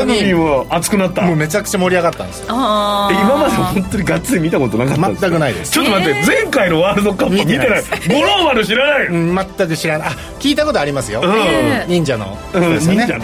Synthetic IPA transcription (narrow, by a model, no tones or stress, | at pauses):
anoiɲĩβaːt͡sɨ̥kɯ̟nat̪ːamoːme̞t͡ɕakɯ̥t͡ɕamo̞ɾʲiaɣat̪ːã̰nd̪sɨ̥eimamad̪ehõnt̪oɲ̟iɡat͡sːɨimʲit̪akot̪o̞nakamã̰t̪ːakkɯ̟naḭd̪ḛst͡ɕot̪ːomat̪ːed͡zẽŋkainoβaɾɯd̪o̞kamomʲit̪enaiɡoɾoːβaɾɯɕ̬iɾanaiɯ̟̃mat̪ːakɯ̟ɕiɾanaʔa | kʲiːt̪ako̞t̪oaɾʲimasɨjo̞ɯ̃ːɯ̃ɲĩɲ̟d͡ʑano̞̰ | ɯ̃ɲĩned͡ʑa